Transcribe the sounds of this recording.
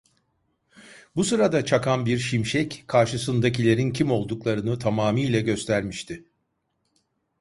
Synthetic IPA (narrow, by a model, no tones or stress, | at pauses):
busɯɾad̪at͡ʃʰakʰanbiɾʃimʃɛckʰaɾʃɯsɯnd̪ac̬ilʲe̞ɾincʰimo̞lˠd̪uklˠaɾɯnɯt̪ʰamaːmijlʲɛɟø̞st̪ʰæɾmiʃt̪ʰɪ